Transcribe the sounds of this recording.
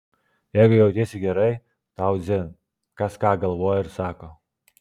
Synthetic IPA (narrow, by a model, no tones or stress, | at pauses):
jɛjɡʊjɛwt̪ʲeːsʲɪɡʲɛɾɐj | t̪awzʲɪ | kɐskɑːɡɐlˠʋoːjɪɾsɑːko